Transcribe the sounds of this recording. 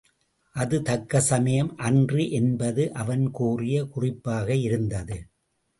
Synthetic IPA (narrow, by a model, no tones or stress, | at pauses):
ʔɐðɯt̪ɐkːɐsɐmɐjɐmʔɐndriʔɛnbɐðɯʔɐʋɐnkuːrɪjɐkʊrɪpːaːɣɐɪɾɯnd̪ɐðɯ